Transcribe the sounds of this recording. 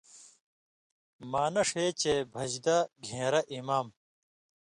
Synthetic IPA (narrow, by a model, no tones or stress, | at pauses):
maːnɐʂeːt͡ɕeːbʱɐd͡ʑd̪ɐɡʱẽːɾɐʔimaːm